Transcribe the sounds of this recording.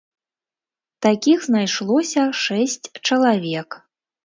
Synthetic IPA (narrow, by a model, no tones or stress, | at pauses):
t̪akʲixznajʂlˠɔsʲɐʂɛsʲt͡sʲt͡ʂɐlˠavʲɛk